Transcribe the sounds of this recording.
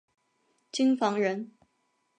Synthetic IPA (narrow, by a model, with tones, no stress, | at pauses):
t͡ɕi˥ŋfɑ˧˥ŋɻə˧˥n